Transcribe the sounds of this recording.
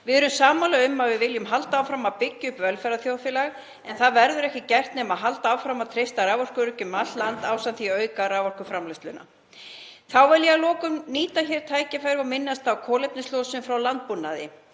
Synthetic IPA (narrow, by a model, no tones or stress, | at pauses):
vɪðʏɾʏmsaːmalaʏmːaðvɪðvɪljʏmɦalt̪aawfɾamawpɪcːʏʏpvɛlfɛɾaθjowðfɪlaɣ | ɛnθaðvɛɾðʏɾɛhcɪcɛr̥t̪nɛmaðɦalt̪aaːwfɾamat̪ʰɾejst̪aɾaːvɔr̥kʏɾʏcʏmat̪lant̪aːwsanθiœːɥkaɾavɔr̥kʏfɾamlast̪lʏna̰ | θawvɛɾlialɔːkʏmniːt̪açɛɾ̥t̪ʰaːjcafajɾɪvamɪnːast̪awkʰɔːlejp̚nɪst̪ɔːsʏmfɾawlant̪̚punːa̰ðɪ̰